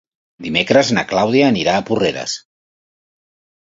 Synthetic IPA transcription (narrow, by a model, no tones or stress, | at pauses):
d̪imekɾəznaklawðiaːniɾaːpureɾə̰s